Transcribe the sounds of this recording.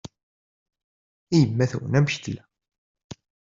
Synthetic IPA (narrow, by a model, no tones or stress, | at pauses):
ijəmːæθæwə̰næmçt̪læ